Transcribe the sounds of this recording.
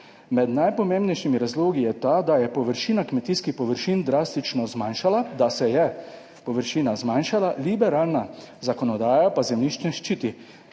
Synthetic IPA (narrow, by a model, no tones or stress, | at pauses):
mɛd̪najpɔmeːmbnɛjʃimiɾazloːɡijɛt̪ad̪ajɛpɔʋəɾʃiːnakmɛt̪iːskixpɔʋəɾʃiːnd̪ɾaːst̪it͡ʃnɔzmanʃalad̪asɛjɛ | pɔʋəɾʃiːnazmanʃalalibɛɾaːlnazakɔnɔd̪aːjapazɛmniʃt͡ʃnɛʃt͡ʃiːt̪i